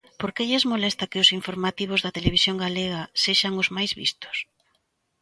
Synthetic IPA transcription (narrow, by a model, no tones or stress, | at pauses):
poɾkeʎɛzmolɛst̪ɐkɪʊsiɱfoɾmat̪iβ̞ozðɐt̪eleβisjoŋɡaleɣ̞aseʃaŋʊzmajzβḭst̪ʊ̥s